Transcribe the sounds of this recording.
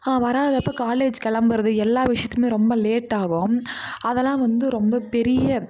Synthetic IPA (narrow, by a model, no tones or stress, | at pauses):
aːʋɐɾaːɐðɯɐpːɐːkaːleːd͡ʒkɛɭɐmbɐɾɐðɯɛlːaːʋɪʂɐjɐt̪ːɯmeːɾɔmbɐleːʈːaːɣʊ̃ɐðɛlːãːʋɐnd̪ɯɾɔmbɐpɛɾɪjɐ